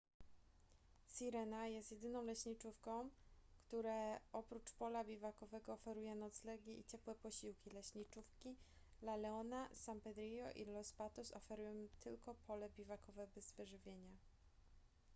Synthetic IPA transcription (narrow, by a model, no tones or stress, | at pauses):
siɾɛnajɛst̪jɛd̪ɘnɔ̃w̃lɛɕɲit͡ʂufkɔ̃w̃kt̪uɾɛɔpɾut͡ʂpɔlabʲivakɔvɛɡɔːfɛɾujɛnɔt̪slɛɡʲɛʔit͡ɕɛpwɛpɔɕiwkʲilɛɕɲit͡ʂufkʲi | lalɛɔnasampɛd̪ɾʲijɔʔḭlɔspat̪ɔsɔfɛɾujɔ̃w̃t̪ʰɘlkɔpʰɔlɛbʲivakɔvɛbɛzvɘʐɘvʲjeɲa